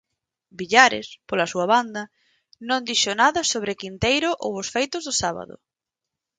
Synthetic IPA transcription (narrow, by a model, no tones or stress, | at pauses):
biʎaɾɪ̰spolɐsuɐβand̪ɐ | nõnd̪iʃonaðɐsoβ̞ɾɪkint̪ejɾʊʔowʊsfejt̪ʊzðʊsaβa̰ðʊ̰